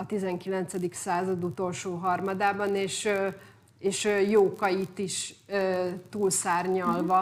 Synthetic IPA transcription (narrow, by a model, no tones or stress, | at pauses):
ɒt̪izɛŋkilɛnt̪sɛd̪iksaːzɒd̪ut̪o̞lʃoːɦɒrmɒd̪aːbɒneːʃ | eːʃjoːkɒjit̪iʃøt̪uːlsaːrɲɒlvɒ